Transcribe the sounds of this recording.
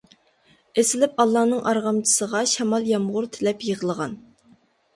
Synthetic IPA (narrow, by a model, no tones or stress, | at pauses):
esɪlɪpɑlˠːɑːnɨŋʔɑɾʁɑmt͡ʃʰi̥səʁɑʃɛmɑlˠjɑmʁʊɾt̪ʰɪlɛpjəʁəlˠəʁɑn